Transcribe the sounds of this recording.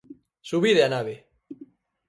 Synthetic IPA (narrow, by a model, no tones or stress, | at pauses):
suβiðeanaβe